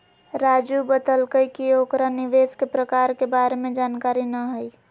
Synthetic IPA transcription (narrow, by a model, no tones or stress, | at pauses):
ɾaːd͡ʒubəd̪əlkəikioːkɾanɪʋeːskepɾəkaːɾkebaːɾemẽd͡ʒaːnkaːɾinəɦʊi